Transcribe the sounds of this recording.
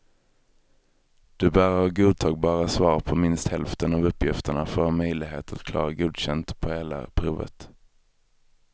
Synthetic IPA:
d̪̥ɵbæːɾaɾɡuːd̪̚t̪ʰɑːɡ̚bɑːɾasvɑːɾpʰɔmɪnst̪hɛlft̪ənɑvɵpːjɪft̪əɳafœɾhɑːmœjlɪɡɦḛːt̪ʰat̪kʰlɑ̰ːɾaɡuːd̪ɕɛnt̪pʰɔheːla̰pʰɾuːvə̰t̪

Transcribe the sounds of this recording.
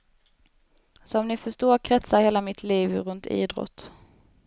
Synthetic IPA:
sɔmnɪfœʂtoːɾkʰɾɛt̪saɾheːlamɪt̪ʰliːvɾɵnt̪ʰḭːd̪ɾɔ̰t̪ː

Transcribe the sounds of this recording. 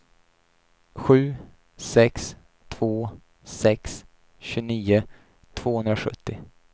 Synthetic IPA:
ɧʉ̟ː | sɛks | t̪ʰv̥oː | sɛks | ɕɵniːʊ | t̪ʰv̥oːhɵnd̪ɾaɧɵ̰t̪ʰːɪ

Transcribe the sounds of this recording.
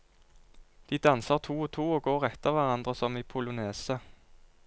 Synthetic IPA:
d̪̥iːd̪ɑnsəʁt̪ʰuːoːt̪ʰuːoːɡoːʁɛt̪ːəʁʋæʁɑnd̪ʁəsɔmiːpʰʊlʊneːsə

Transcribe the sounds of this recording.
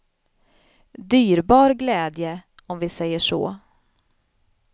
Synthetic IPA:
d̪yːɾbɑːɾɡlɛːd̪jə | ɔmvɪsɛjːəʂo̰ː

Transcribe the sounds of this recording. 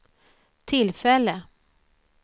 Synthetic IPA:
t̪ʰɪlfɛlːə

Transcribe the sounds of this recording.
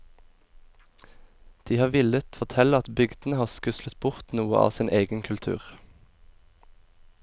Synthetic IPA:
d̪̥iːhɑːʋɪlət̪fɔʁt̪ʰɛləɑt̪bʏɡd̪n̩əhɑːskʉslət̪bʊʁt̪nuːə̰ʔɑ̰ːsɪnʔeːɡənkʰʉlt̪ʰʉ̰ːʁ

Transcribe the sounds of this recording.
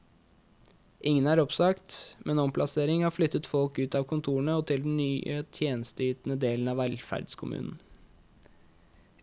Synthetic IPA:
ʔɪŋənæɾɔpsɑkt̪mʔɛnɔmpʰlɑseːɾɪŋhɑːɾflʏt̪ːət̪fɔlkʉːt̪ɑːʋkʰʊnt̪ʰuːəɳəɔt̪ʰɪld̪n̩nyːʔət̪ʰjeːnəst̪əyːt̪n̩əd̪eːln̩ɑʋɛlfæ̰ɾd̪skʰʊmʉ̰ːnn̩

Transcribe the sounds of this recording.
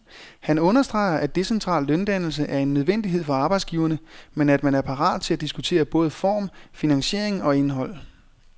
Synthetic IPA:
hænɔ̽nɐsd̥ʁɑ̈ɪɐʔæd̥e̝sent͡sʰʁɑ̰̈ːlːønd̥æn̰l̩s̬əʔæɐe̝nːøð̞ˠʋen̰d̥iɦe̝ð̞̰ˠfɒ̽ɑ̈ːb̥ɑ̈ɪ̥sɡ̥iːʊɐnəmenæd̥mænæɐpʰɑ̈ʁɑ̰ːðˠt͡sʰe̝læd̥isɡ̥ut͡sʰe̝̰ːɐb̥ɔ̽ːð̞̩ˠəfɒ̰ːmfinæŋɕe̝ɐeŋɒ̽e̝nɦɒ̽l̰

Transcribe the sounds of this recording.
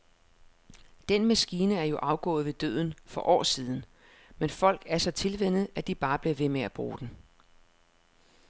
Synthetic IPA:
d̥enmæsɡ̥iːnəæɐjo̝ʔɑ̈ʊɡ̥ɔ̰̽ːð̞̩ˠʋe̝d̥ø̰ðˠn̩fɒ̽ʔɒ̰ːsiːðˠn̩ | menfɒ̽l̰ɡ̥æɐsɒ̽t͡sʰe̝lʋen̰ð̩ˠæd̥ib̥ɑ̈ːb̥liɐʋe̝meæb̥ʁṵːd̥en̩

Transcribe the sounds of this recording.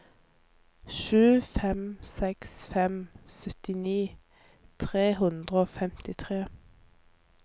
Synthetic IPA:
ʃʉːfɛmsɛksfɛmsœt̪ɪniː | t̪ʰʁeːɦʉnd̪ʁəoːfɛmt̪ɪt̪ʰʁeː

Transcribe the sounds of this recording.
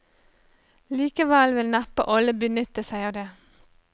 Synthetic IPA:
liːkəʋæːlʋɪlnɑpə̰ʔɔləbənʏt̪əsæɪɑːʋd̪eː

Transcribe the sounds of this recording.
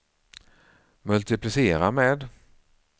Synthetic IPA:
mɵlt̪ɪplɪseːɾameːd̪

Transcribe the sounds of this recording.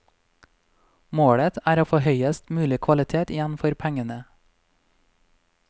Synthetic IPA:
moːɽət̪æːɾoːfoːhœʏəst̪mʉːlɪkʰʋɑlɪt̪ʰeːt̪jɛn̩fɔɾpʰæŋənə

